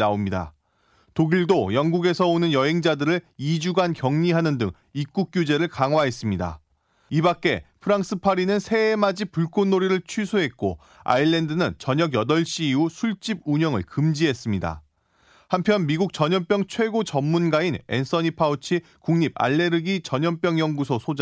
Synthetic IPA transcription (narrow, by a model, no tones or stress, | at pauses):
naomɲida̰ | toɡiɭdojʌŋɡuɡe̞sʰʌonɯnjʌɦe̞ŋd͡ʑadɯɾɯɭid͡ʑuɡankjʌŋɲiɦanɯndɯŋ | ik͈uk̚k͈jud͡ʑe̞ɾɯɭkaŋɦwaɦe̞s͈ɯmɲida̰ | ibak͈e̞pʰɯɾaŋs͈ʰɯpʰaɾinɯnsʰe̞ːmad͡ʑipuɭk͈ʰonːoɾiɾɯɭt͡ɕʰɥisʰoɦe̞t̚k͈o | a̰iɭːe̞ndɯnɯnt͡ɕʌɲʌɡjʌdʌɭɕ͈iːusʰuɭt͡ɕ͈ib̚uɲʌŋɯ̰ɭkɯmd͡ʑiɦe̞s͈ɯmɲida̰ | hampʰjʌnmiɡuk̚t͡ɕʌɲʌnp͈jʌŋt͡ɕʰwe̞ɡot͡ɕʌmːunɡaine̞̰ns͈ʰʌɲipʰaut͡ɕʰi | kuŋɲib̚a̰ɭːe̞ɾɯɡit͡ɕʌɲʌnp͈jʌŋjʌŋɡusʰosʰod͡ʑa